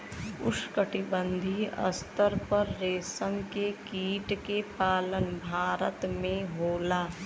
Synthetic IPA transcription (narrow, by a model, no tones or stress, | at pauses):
ʊ̰ʃkəʈɪbə̃nd̪ʱiə̰st̪əɾpəɾːeːsəŋkekiːʈkepaːlənbʱaːɾət̪mẽɦoːlaː